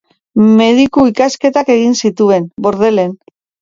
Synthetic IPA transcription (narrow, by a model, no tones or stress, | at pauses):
me̞ðikuikaske̞t̪ake̞ɣinsit̪ue̞nbo̞ɾð̞e̞le̞n